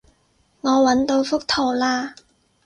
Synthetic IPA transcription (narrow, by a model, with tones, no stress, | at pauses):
ŋɔː˨˧wɐ˨˥nt̪o˧wfʊ˥k̚t̪ʰo˨˩wlaː˧